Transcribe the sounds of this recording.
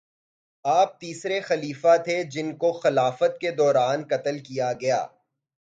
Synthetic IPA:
aːp̚t̪iːsɾexɐliːfat̪ʰed͡ʒɪnkoxɐlaːfət̪ked̪ɔːɾaːnkɐt̪əlkijaɡɐja̰ː

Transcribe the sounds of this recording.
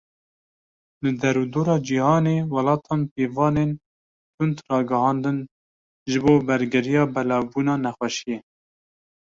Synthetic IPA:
lɨd̪ɛɾud̪oːɾɑːd͡ʒihɑːneːwɑlɑːt̪ʰɑːnpeːvɑːneːn | t̪ʰʊnd̪rɑːɡɨhɑːnd̪ɨn | ʒɨboːbɛɾɡɪɾijɑːbɛlɑːvbuːnɑːnɛxwɛʃije

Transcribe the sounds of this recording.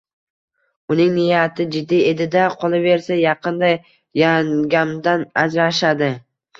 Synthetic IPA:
ʊnɪŋnɪjat̪ʰɪd͡ʒɪd̪ːije̞d̪ɪd̪aqʰolˠɪve̞ɾsajɑqʰɨnd̪a | jaŋɡʲamd̪anad͡ʒɾaʃad̪ɪ

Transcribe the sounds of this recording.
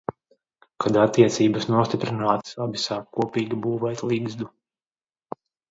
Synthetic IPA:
kad̪at̪ːiɛt̪siːbasnuɔst̪ʲipɾinaːt̪sabisaːkkuɔpiːɡʲibuːvɛjt̪lˠiɡzd̪u

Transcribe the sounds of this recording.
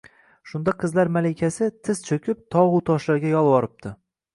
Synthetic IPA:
ʃʊnd̪aqʰɨzlaɾmalɪkʲʰasɪt̪ʰɪzt͡ʃʰɵkʲʰɪp̚t̪ʰɒʁut̪ʰɒʃlaɾɡʲajɒlˠwɒɾɪp̚t̪ʰɪ

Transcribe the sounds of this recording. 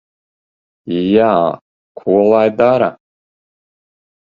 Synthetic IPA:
ija | kʷʰuwalaːjd̪aːɾa

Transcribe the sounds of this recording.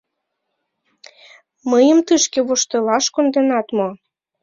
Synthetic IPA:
məjəmt̪ɨʃkeβoʃt̪elɑʃkond̪enɑt̪mo

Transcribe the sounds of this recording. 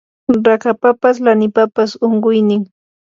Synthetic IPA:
ɾakapapas̬lanɪpapasoɴɢʊjnɪŋ

